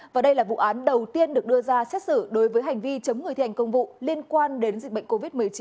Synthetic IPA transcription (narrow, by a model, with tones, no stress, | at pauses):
vaː˨˩ɗə˧jlaː˨˩vṵ˧˨ʔaː˨˦nɗə˨˩wt̪i˧ənɗɨ˨˩ək̚ɗɨ˧əzaː˧sɛ˦˥t̚sɨ̰˧˩ɗo˨˦jvəː˨˦jɦa˨˩jŋ̟vi˧t͡ɕə˨˦wŋ͡mŋɨ˨˩jt̪ʰːŋ̟kə˧wŋ͡mvṵ˧˨li˧ənkwaː˧nɗe˨˦nzi˨˩k̟̚ɓə̰˧˨jŋ̟ko˧vi˦˥t̚m˨˩əjt͡ɕi˨˦